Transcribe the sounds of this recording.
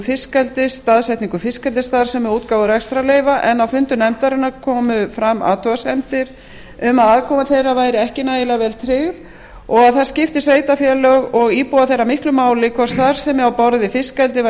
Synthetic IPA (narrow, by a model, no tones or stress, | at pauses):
fɪskɛlt̪ɪst̪aðsɛt̪niŋkʏfɪskɛlt̪ɪst̪aɾ̥sɛmɛɾuːt̪kaːwʏɾɛkst̪ɾaleːjvaʔɛnːawfʏnt̪ʏnɛmt̪aɾɪnaɾkʰɔːmʏfɾamːa̰ːt̪ʰɔasɛmt̪ɪɾ | ʏmaðaðkʰɔːmaθejrːavaːjɾɪɛhcɪnaːjɪlavɛlt̪ʰɾɪɣð | ɔɣaðθḁscɪft̪ɪsveːjt̪afjɛlœɣɔɣiːpuaθejrːamɪhklʏmaːwlɪkʰvɛrstθaɾ̥sɛmawpɔɾðɪfɪskɛlt̪ɪv